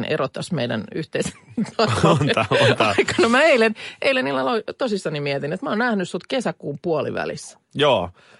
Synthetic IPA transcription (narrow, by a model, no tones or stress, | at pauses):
nḛrot̪ːɑsmḛidæ̰nyht̪eise̥nit̪ɑnɑt̪ɑikɑnomæeileneilenilːɑlot̪osisːɑnimiɛt̪inet̪mæoːnnæhnyssut̪kesækuːmpuolḭʋæ̰lḭs | joː